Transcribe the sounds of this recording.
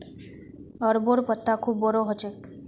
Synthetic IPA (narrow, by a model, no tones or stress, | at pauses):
əɾboɾpət̪ːakʰuːbːɔɾoɦət͡ʃʰe